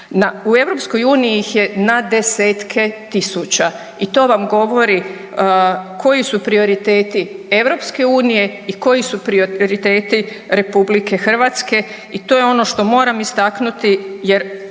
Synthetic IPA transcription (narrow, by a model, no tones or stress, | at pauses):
naue̞ʋɾo̞psko̞juːnijiixje̞nad̪e̞seːt̪kʰe̞t̪isut͡ɕa | it̪o̞ːʋamɡo̞ʋo̞ɾi | kʰo̞jisupɾio̞ɾit̪e̞ːt̪ie̞ʋɾo̞pske̞uːnije̞iko̞jisupɾiooɾit̪e̞ːt̪i | ɾe̞publike̞xr̩ʋat̪ske̞ | it̪o̞ːjeo̞no̞ʃt̪o̞mo̞ːɾamist̪aknut̪ijeɾ